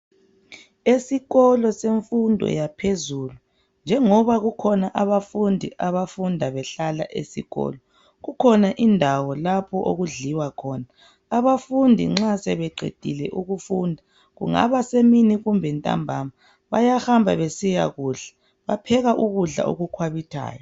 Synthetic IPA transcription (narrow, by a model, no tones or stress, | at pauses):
esiɣɔlɔseɱfundʱɔ̰japʰezulu | nd͡ʒʱɛŋɔβaɣukʰɔnaʔaβafundʱḭʔaβafundʱaβɛɬala̰ʔesḭɣɔ̰ːlɔ | ɣukʰɔnaʔindʱawɔlapʰɔʔoɣuɮiwakʰɔnaː | βafundʱḭŋ͡ǁasɛβɛǃʱḛd̥ʱilɛ̰ʔuɣufuːndʱa | ɣṵŋa̰βaseminiɣumbʱɛntʼa̰mbʱama | βa̰jahambʱa̰βesija̰ɣuɮḁ | βapʰɛɣaʔuɣuɮa̰ʔo̰ɣukʰwaβitʰa̰ːjɔ